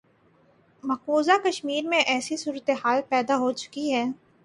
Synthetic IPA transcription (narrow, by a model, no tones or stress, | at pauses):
mɐkoːzakɐʃmiːɾmẽʔɛːsisuːɾət̪eɦaːlpɛːd̪aɦot͡ʃʊ̥kiɦɛː